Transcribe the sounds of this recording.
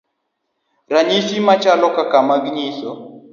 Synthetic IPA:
ɾaɲisimat͡ʃalɔkakamaɡɲisɔ

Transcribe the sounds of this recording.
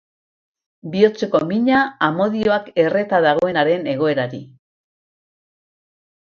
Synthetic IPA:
bio̞t͡seko̞miɲaːmo̞ðio̞ake̞re̞t̪aðaɣ̞o̞e̞naɾe̞ne̞ɣ̞o̞e̞ɾaɾi

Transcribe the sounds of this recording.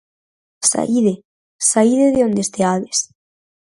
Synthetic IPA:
sa̰iðe | saiðeðeond̪est̪eaðes

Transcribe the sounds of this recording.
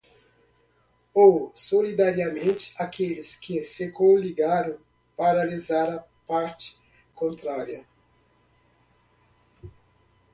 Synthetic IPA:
owsolid̪aɾjɐmẽnt͡ʃɪ̥akelɪskɪsɪkõliɡaɾõw̃ | paɾalizaɾɐ | paɾt͡ʃɪ̥ | kõnt̪ɾaɾjɐ

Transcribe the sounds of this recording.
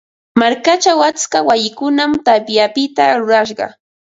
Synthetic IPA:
maɾkat͡ʃawat͡skawajɪkʊnamt̪apjapɪt̪aɾʊɾaʃ̬ɢɑ̰

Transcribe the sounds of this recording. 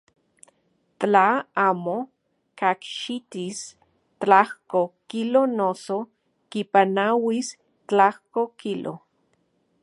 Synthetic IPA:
tt͡ɬaaːmo | kakʃit̪is | t͡ɬahkokilonoso | kipanawis | t͡ɬahkokilʔo̰

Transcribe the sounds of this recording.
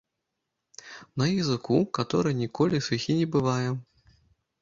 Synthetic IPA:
nɐjizɨkukat̪ɔɾɨjnʲikɔlʲisɨxʲinʲɛbɨvajɛ

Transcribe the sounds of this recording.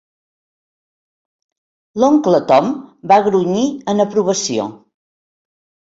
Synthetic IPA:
loŋklət̪ɔmbaɣɾuɲiənəpɾuβəsio̰

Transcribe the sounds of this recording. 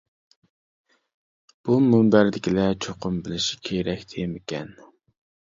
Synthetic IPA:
b̥umumbæɾd̪ɪkʲʰilɛt͡ʃʰoqʰʊmbɪlɪʃi̥kʲʰeɾɛkʲt̪ʰejmɪkʲʰɛ̰n

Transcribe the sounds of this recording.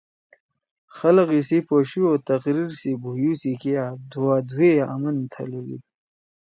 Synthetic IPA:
xɐləqisipoɕiot̪ɐqɾiɾsibujusikead̪uwaːd̪ʱuea̰mɐnt̪ʰa̰leɡḭ

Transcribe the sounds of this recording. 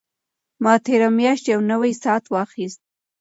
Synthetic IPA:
mɑt̪eɾamjɑʃt̪jawnəwajsɑt̪wɑxist̪̚

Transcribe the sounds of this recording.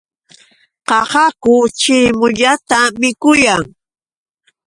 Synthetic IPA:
qɑhɑkʊt͡ʃɪmʊʎat̪amɪkʊjaŋ

